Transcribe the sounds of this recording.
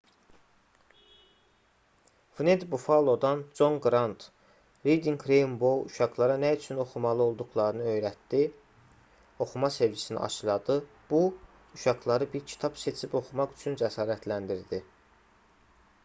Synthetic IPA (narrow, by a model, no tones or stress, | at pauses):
vned̪bufɑlˠo̞d̪ɑnd͡ʒo̞ŋɡɾɑnt̪ʰ | ɾid̪iŋkʰɾejmbouʃɑɡlˠɑɾɑnæyt͡ʃʰyno̞xumɑlˠɯo̞lˠd̪uɣlˠɑɾɯnɯø̞jɾæt̪d̪i | o̞xumɑse̞ɾvisinḭɑ̰ʃɯlˠɑd̪ɯ | b̥u | uʃɑɡlˠɑɾɯbiɾcʰi̥t̪ʰɑbse̞t͡ʃʰibo̞xumɑχyt͡ʃʰynd͡ʒæsɑːɾæt̪ʰlænd̪iɾd̪i